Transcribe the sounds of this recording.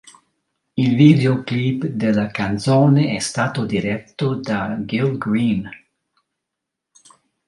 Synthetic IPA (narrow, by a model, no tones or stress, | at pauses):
ilviːd̪eoklibd̪elːakant̪soːneɛst̪aːt̪od̪iɾɛt̪ːod̪aɡilɡɾin